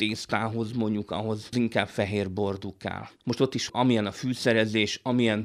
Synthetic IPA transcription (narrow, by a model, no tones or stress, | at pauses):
t̪eːst̪aːɦo̞zmo̞ɲɟukɒ̰ɦo̞zziŋkaːbfɛɦeːrbo̞rd̪ukːɛ̰lmo̞ʃt̪o̞t̪ːiʃɒmijɛnɒfyːsɛɾɛzeːʃɒmijɛn